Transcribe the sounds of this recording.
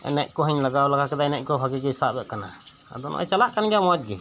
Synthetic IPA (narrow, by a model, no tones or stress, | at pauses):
ɛ̰nɛʔ̚ˀkɔɦəɲlaɡawlaɡʰakɛd̪aɛnɛʔ̚kɔbʱaɡɛkɛɦisabɛʔkana | a̰d̪ɔnʔɔ̰ʔt͡ʃalaʔkanɡamɔt̪̚ɡi